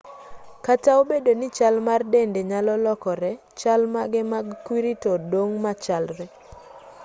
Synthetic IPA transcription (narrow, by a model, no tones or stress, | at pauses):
kataobedonit͡ʃalmardendeɲalɔlɔkɔɾɛ | t͡ʃalmaɡɛmaɡkwiɾitodwoŋmat͡ʃalɾɛ